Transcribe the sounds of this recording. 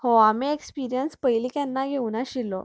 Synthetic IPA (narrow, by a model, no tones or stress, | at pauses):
hoamiekspiɾijənspəiliːkjanːaɡʱeunaɕilːɔ